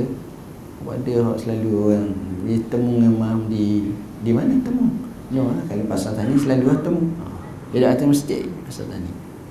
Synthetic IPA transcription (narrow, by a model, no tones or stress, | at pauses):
ba̰dəɦɔʔsəlaluoɣaŋəlit̪əmuŋemamdi | dimanat̪əmuŋ | noakaləpasat̪aniʔsəlaluat̪əmua | d͡ʒadaʔat̪əməst̪ḛʔpasa̰t̪a̰nḭ